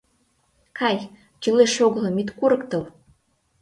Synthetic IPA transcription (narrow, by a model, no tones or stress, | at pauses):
kɑj | t͡ɕɯleʃoɣɤ̆lɤ̆mit̪kuɾɤ̆kt̪ɤ̆l